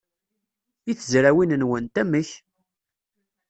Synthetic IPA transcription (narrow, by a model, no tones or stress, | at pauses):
iθzɾæwinənwənt̪æməç